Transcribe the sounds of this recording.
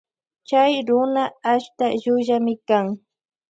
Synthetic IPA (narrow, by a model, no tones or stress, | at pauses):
t͡ʃajɾʊnaːʃt̪aʒʊʒamɪkaŋ